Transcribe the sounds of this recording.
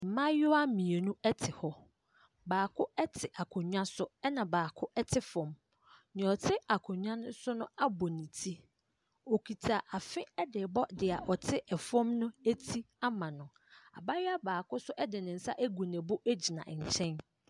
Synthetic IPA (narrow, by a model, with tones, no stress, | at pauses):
m̩˨mã˦jʊ˦a˦mĩ˨e˨nũ˦ɛ˦tʰɪ˨hɔ˦ | baː˨kʰʊ˦ɛ˦tʰɪ˨ʔa˨kʰʊ̃˨ɲᶣã˦sʊ˦ɛ˦nã˨baː˨kʰʊ˦ʔɛ˦tʰɪ˦fɔ̃˨m | nɪ̃˨ɔ˨tʰɪ˦a˨kʰʊ̃˨ɲᶣã˦nʊ̃˦sʊ˦nʊ̃˦a˦bɔ˨nĩ˨tʰi˦ | o˨kʰi˨tʰa˨ʔa˨fɪ̃˦ɛ˦dɪ˨bɔ˦dɪ˨a˨ʔɔ˨tʰɪ˦ʔɛ˨fɔ̃˦mnʊ̃˦æ˦tʰi˦ | a˦mã˨nʊ̃˨ | a̰˨ba˦jɪ˦a˦baː˨kʰʊ˦sʊ˦ʔɛ˦dɪ˨nɪ̃˨n̩˨˦sa̰˦ʔæ˦ɡu˨nɛ̃˨bʊ˦ʔæ˦d͡ʑi˨nã̰˨ʔɲ̩˨t͡ɕʰɛ̃˦n